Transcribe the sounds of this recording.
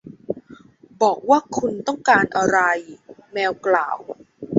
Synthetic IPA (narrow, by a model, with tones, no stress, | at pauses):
bɔː˨˩k̚waː˥˩kʰu˧nt̪ɔ˥˩ŋkaː˧nʔa˧ɾa˧jnɛː˧wkla̰ː˨˩w